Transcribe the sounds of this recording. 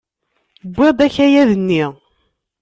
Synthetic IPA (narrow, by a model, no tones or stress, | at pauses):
bʷːɪd̪æçæjæðənːi